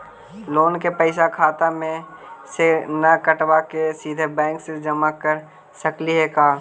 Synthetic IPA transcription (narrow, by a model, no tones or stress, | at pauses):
loːnkepəɪsakʰaːt̪amẽsenəkəʈwakesiːd̪ʱebɛ̃ːŋksed͡ʒəmakəɾ | səkliɦekaː